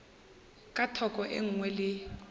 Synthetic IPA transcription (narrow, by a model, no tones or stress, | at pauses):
kʼatʰɔkʼɔʔḛŋ̩ŋwɛlɪ